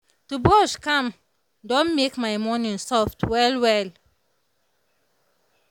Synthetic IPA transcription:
tubɔʃkãm | dɔ̃nmekmaɪmɔ̃nĩnsɔftwɛlwɛl

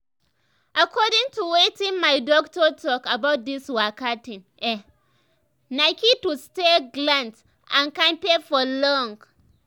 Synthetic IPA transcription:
ʔakʰɔdĩŋtuwetĩnmaɪdɔk̚tɔtʰɔkabat̚diswakatĩnʔɛ | naɪkitusteɡlãns | ãnkãmpefɔlɔ̃ŋɡ

